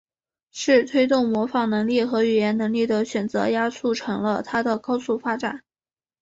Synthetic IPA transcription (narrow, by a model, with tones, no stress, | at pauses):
ʂɻ̩˥˩t̪ʰwe˥ɪt̪ʊ˥˩ŋmwɔ˧˥fɑ˨˩ŋnɤ˧˥ŋli˥˩xɤ˧˥y˨˩jɛ˧˥nnɤ˧˥ŋli˥˩d̪ə˩ɕɥɛ˨˩nt͡sɤ̰˧˥ja˥t͡sʰu˥˩ʈ͡ʂʰɤ˧˥ŋlə̰˧t̪ʰa˥d̪ə˨kɑ˥ʊsu˥˩fa˥ʈ͡ʂa˨˩˦n